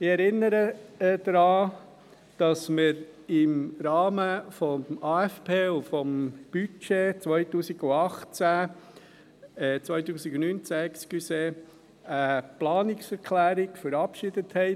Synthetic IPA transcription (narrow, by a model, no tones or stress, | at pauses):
ɪɛɾɪnːəɾəd̥̪ɾɑː | d̥ɑsməɾɪmɾɑːməfɔɑːɛfpʰeːufɔmb̥yt͡ʃet͡sʋœʏtuːsiɡuɑχt͡sæ | ɛt͡sʋœʏtuːsikunyːnt͡sækt͡skyse | əplɑːnɪksɛɾkʰlæːɾɪɡfəɾɑpʃɪd̥əthɛɪ